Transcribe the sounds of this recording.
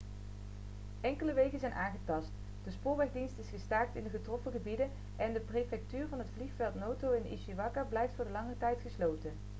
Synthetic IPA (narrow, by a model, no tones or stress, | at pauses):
ʔɛŋkələʋejkənzɛjnʔaːŋχətɑst | d̥əspʊːɹʋɛχdinstɪsχəstaːɹk̚tɪndəχətrɔfəχəbidən | ʔɛndəprejfɛk̚tyːɹvɑnɦətfliχfɛlˠtnowtowɪnḭʃiʋɑkəɹblɛjftfʊːɹdəlɑŋərtɛjtχəslowtən